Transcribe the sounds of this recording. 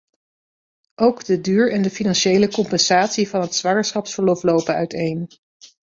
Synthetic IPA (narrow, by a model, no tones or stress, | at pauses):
ʔowɡdədyːɹɛndəfinɑnʃejləkɔmpɛnz̥aːtsivɑnɦətsʋɑŋəɹsχɑpsfəɹlɔflowpənœ̰ɥtejn